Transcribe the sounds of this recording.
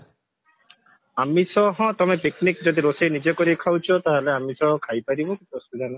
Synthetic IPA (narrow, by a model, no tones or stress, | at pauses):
amisɔɦɔ̃t̪ɔmepiknikd͡ʒod̪iɾosejnid͡ʒekoɾikʰawt͡ʃʰɔt̪aɦeleamisɔɦɔ̃kʰajpaɾibɔkipɾost̪ud͡ʒanɔ